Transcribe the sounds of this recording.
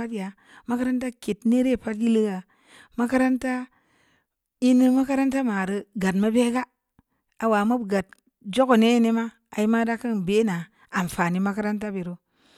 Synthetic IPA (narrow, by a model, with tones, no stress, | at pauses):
a˦tja˨ | ma˦ka˦ɾa˦nta˦ke˨tne˦ɾe˦˨pa˦tji˦lɨ˦ɡa˨ | ma˦ka˦ɾa˦nta˦ | i˦nɨ˦ma˦ka˦ɾa˦nta˦ma˨ɾɨ˨ɡa˨tma˦be˦ɡa˦ | a˨wa˨ma˦bɡa˨t | d͡ʒo˦ɡo˨ne˦˨ne˦ma˦ | a˨i˦ma˦da˦kɨ˦n˨be˦naː˨ | n˨fa˨ni˨ma˦ka˦ɾa˦nt̬a˦bi˨ɾo˦